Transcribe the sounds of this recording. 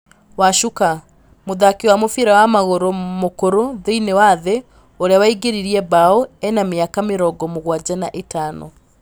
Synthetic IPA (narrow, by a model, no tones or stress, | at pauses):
waʃuka | moðakewamofeɾawamaɣoɾomokoɾoðeinewaðe | oɾeawaiɡeɾiɾiɛbaoɛnameakameɾɔɡɔmoɣwad͡ʑanaʔetaːnɔ̰